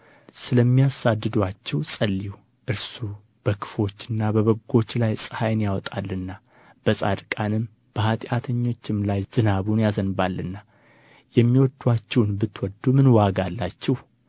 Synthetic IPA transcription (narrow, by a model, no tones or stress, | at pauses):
sɨləmːijasad̪ːɨd̪wat͡ʃːɛwsʼəlːiw | ʔɨɾsu | b̥əkʰɨ̥fo̞t͡ʃːɨnːabəβəɡo̞t͡ʃːlajsʼɨhajnjawɔt̪ʼalːɨnːa | b̥əsʼa̰d̪kʼanɨm | b̥əhat̪ʼɪat̪ʰəɲːo̞t͡ʃːɪmlajz̥ɨnaβunjazənbalːɨnːa | jɛmːiwɔd̪ːwat͡ʃːɛwnbɨt̪ːwɔd̪ːumɨnwaɡalːat͡ʃːɛh